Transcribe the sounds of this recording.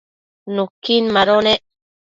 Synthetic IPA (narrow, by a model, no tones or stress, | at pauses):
nukinmaɾone